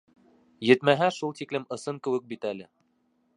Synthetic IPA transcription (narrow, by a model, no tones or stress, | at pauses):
jɘ̆t̪mæɦæʃulˠt̪iklɘmɤ̆sɤŋkɘ̆wɘk̚bit̪ælɘ